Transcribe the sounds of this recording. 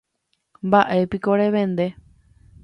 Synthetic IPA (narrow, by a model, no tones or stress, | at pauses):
mbaʔe̞pikoɾeʋẽ̞nd̪e̞